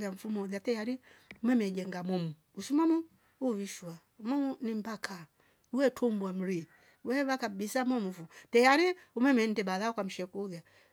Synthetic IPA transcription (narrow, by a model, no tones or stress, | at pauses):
jaɱ̩fumɔuðatɛjaɾi | umɛmɛd͡ʒɛŋɡamɔmu | usumɔmu | uβiʃuamɔmunim̩bakʰa | uwɛtʰumbwam̩ɾi | wɛβakabisamɔmufutɛjaɾiumɛmɛn̩dɛbaðaɔkam̩ʃɛkuðja